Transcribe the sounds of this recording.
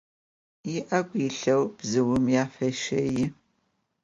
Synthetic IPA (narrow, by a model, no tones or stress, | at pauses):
jɪʔɐɡʷiɬɐwb̥zɨwʊmjaːfɐʃɐjɪ